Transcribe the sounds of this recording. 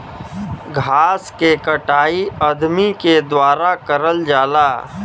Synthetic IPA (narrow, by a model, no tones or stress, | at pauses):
ɡʱaːskekəʈaːiəd̪miked̪waːɾakəɾəld͡ʒaːlaː